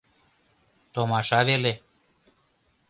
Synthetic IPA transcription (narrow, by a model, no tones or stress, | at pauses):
t̪omɑʃɑβele